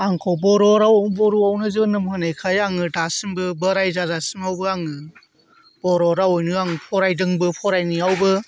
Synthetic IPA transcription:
aŋkʰɔwbɔɾɔɾawɔmbɔɾuawnɯzɯbnɯmhɯnejkʰajaŋɯdasimbɯbəɾajzazasimawbɯaŋɯ | b̥ɔɾɔɾaojnɯaŋɯpʰɔɾajdɯŋbɯpʰɔɾajniawbɯ

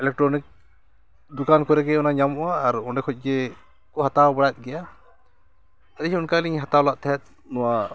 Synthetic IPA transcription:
ɛlɛk̚ʈɾɔnik̚ | d̪ukankɔɾɛkɛɔnaɲamɔaːɾɔɳɖɛkʰɔc̚ˀɡɛ | kɔɦat̪awbɛɽat̪̚ˀɡɛja | ad̪iɦɛunkaliɲɦat̪awlaʔt̪ʰɛɛt̪̚ | nɔwa

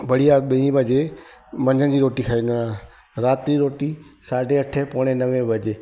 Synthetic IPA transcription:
bəɽiaɓeĩʋəd͡ʒe | mə̃ɲd͡ʒʱənd͡ʑiːɾoːʈikʰaĩnã | ɾaːt̪ɾiɾoːʈisaːɖʱeəʈʰːepoːɽ̃ẽnəʋẽʋəd͡ʒe

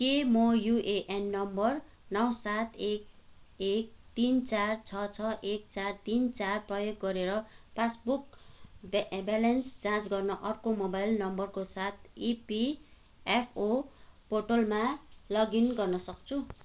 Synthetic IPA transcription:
kemʌjuʔeʔenːʌmbʌr | nʌwsat̪ʰek̚ek̚t̪int͡sart͡sʰʌt͡sʰʌʔek̚t͡sart̪int͡sarprʌjoɡːʌɾeɾʌpʰasbuk | balʌnsd͡zãt͡sɡʌrnʌʔʌrkomobajlnʌmbʌrkosat̪ʰipi | epʰoporʈolmalʌɡinɡʌrnʌsʌk̚t͡sʰu

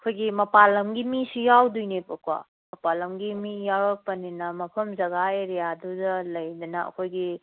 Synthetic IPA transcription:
ɐkʰojɡimɐpalɐmɡimisijawdujnekɐkwa̰ | mɐpalɐmɡimijawɾɐk̚pɐninɐmɐpʰɐmzɐɡajɾejadudɐlɐjdɐnɐɐ̰kʰojɡi

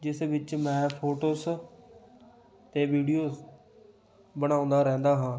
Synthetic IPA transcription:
d͡ʒɪsʋɪt͡ʃmɛ̃ːpʰoːʈoːs | t̪eːʋiːɖijoːz | bəɽ̃aːʊ̃ːnd̪aɾɛ̃ɦnd̪aɦãː

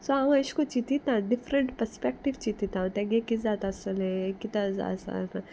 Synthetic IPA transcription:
soãɐʃkot͡ʃit̪it̪ãɖɪfɾəɳʈpəɾspɛk̚ʈiʋt͡ʃit̪it̪ãõt̪eɡekizaːt̪ɐsəlɦɛ̃jekit̪aza̰ːsa̰n

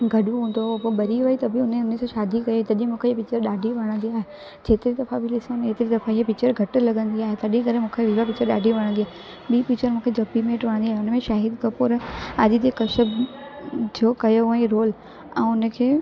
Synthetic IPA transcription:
ɡʱɐɗũɦũːn̆d̪opoɓɐɾiait̪ɐbɪʊnʊnəsãʃaːd̪ʱikɐjot̪ɐʄ̃mũːkʰeepɪt͡ɕəɾɗaːɖʱiʋɐɽ̃ə̃nd̪iaːɦe | d͡ʑeːt̪ɪɾid̪ɐfãbʱɪlɪsoneːt̪ɪɾid̪ɐfãiepit͡ɕəɾɡʱɐʈ̆lɐɠə̃nd̪iaːɦet̪ɐɗ̃kɐɾẽmũːkʰeʋiʋapɪt͡ɕəɾɗaːɖʱiʋɐɽ̃ə̃nd̪iaːɦe | ɓiːpikt͡ɕəɾmũːkʰed͡ʒoːpimẽːʈʋɐɽ̃nd̪iaɦeʊnəmẽʃaːɦid̪kɐpoːɾɐʄt̪ekɐʃəb | d͡ʑoːkɐjoɛ̃ːɾoːl | ɛ̃ːʊnə̆kʰeː

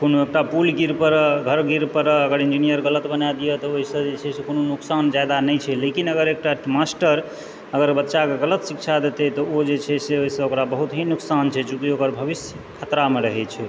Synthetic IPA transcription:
konoek̚ʈapulɡiɾpəɾɡʱəɾɡiɾpəɾəɡəɾind͡ʒinijəɾɡələt̪bənad̪ijet̪ɔoɦisə̃d͡ʒet͡ʃʰɛsekononuksand͡ʒad̪anəjt͡ʃʰɛlekinəɡəɾek̚ʈamasʈəɾ | əɡəɾbətːʃakeɡələt̪sik̚t͡ʃʰad̪et̪et̪ɔod͡ʒet͡ʃʰɛseoɦisə̃okɾabəɦut̪ɦinuksant͡ʃʰɛd͡ʒuk̪iokəɾbʱəβisjəkʰət̪ɾameɾəɦɛt͡ʃʰɛ

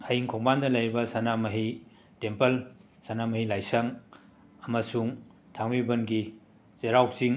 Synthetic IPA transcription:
ajiŋkʰoŋbandɐlɐjɾibɐsanamɐɦi | tempɐl | sanamɐɦilajsɐŋ | ɐmɐsuŋ | tʰaŋmibɐnɡi | seɾawsiŋ

